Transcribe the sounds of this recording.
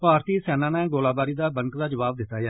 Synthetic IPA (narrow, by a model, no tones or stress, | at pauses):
paːɾt̪iːsɛːnãːnɛ̃ːɡoːlaːbaːɾiːd̪aːbəŋkd̪aːd͡ʒəʋaːb̚d̪ɪt̪ːaːjaː